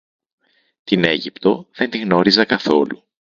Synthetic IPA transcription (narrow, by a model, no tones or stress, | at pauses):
t̪ine̞ʝipt̪o̞ðe̞nt̪iɣno̞ɾizɐkɐθo̞lu